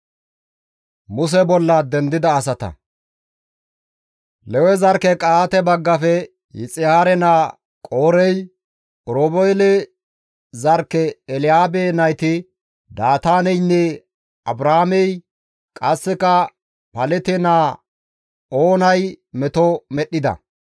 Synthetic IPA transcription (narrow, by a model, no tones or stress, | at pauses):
mʊs̬ɛbɔlːɐd̪ɛnd̪ɪd̪ɐːs̬ɐt̪ɐ̰ | lɛwɛzɐɾkɛkʼaːt̪ɛbɐɡːɐfɛ | jɪ̰t͡sʼɪhaːɾɛnaː | kʼoːɾɛj | ʔɾoːbɔjlɛ | zɐɾkːɛːlɪjaːbenɐjt̪ɪ | d̪aːt̪aːnɛjnːɛ | ɐbɾahamɛj | kʼɐsːɪkɐ | pɐlɛt̪ɪnaː | oːnɐjmɛt̪ɔmɛɗːɪd̪ɐ̰